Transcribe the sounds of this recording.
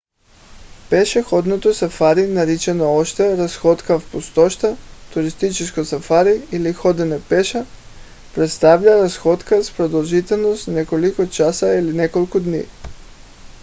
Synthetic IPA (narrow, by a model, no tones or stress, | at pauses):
peʃexod̪not̪osafaɾinaɾit͡ʃenooʃt̪eɾasxot̪kafpust̪oʃt̪at̪uɾist̪it͡ʃiskojsafaɾiilixod̪enepeʃa | pɾet̪st̪aʋʎaɾasxod̪kaspɾod̪olˠʒit̪elnost̪nekolikot͡ʃasailinekolˠkod̪nḭː